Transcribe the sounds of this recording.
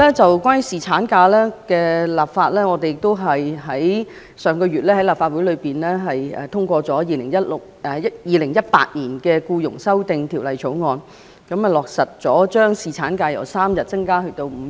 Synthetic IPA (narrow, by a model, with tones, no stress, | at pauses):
ɛː˥t͡sɐ˨wkʷwaː˥ny˥siː˨t͡sʰaː˨˥nkaː˧lɛː˥kɛː˧laː˨˩pfaː˧t̚lɛː˥ŋɔː˨˧t̪e˨jɪ˨k̚t̪o˥wɦɐ˨jɦɐ˨˥j | sœː˨ŋkɔː˧jyː˨t̚lɛː˥hɐ˨˥jlaː˨pfaː˧t̚wuː˨˥jlɵ˨˧ɥpiː˨nlɛː˥ɦɐ˨jɛ̰ː˨t̪ʰʊ˥ŋkʷɔː˧t͡sɔː˨˥jiː˨˧lɪ˨˩ŋjɐ˥t̚lʊ˨k̚ɛ˨jɐ˥tjiː˨˧lɪ˨˩ŋjɐ˥t̚pa̰ː˧t̚niː˨˩nkɛː˧kuː˧jʊ˨˩ŋsɐ˥wt̪ɪ˨ŋt̪ʰiː˨˩wlɐ˨jt͡ʃʰo˨˥wŋɔː˧n | kɐ˨˥m˨lɔː˨˩k̚sɐ˨t̚t͡sɔː˨˥t͡ʃœː˥ŋsiː˨˩t͡sʰaː˨˥nkaː˧jɐ̰˨˩wsaː˥mjɐ˨˩t̚t͡sɐ˥ŋkaː˥hɵ˧t̪o˧wm̩˨˧